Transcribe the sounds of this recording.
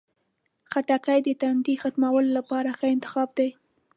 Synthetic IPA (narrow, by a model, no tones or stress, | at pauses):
xaʈakajd̪ət̪and̪ixat̪mawəlolapɑɾaxəɪnt̪ɪ̥xɑb̚d̪aj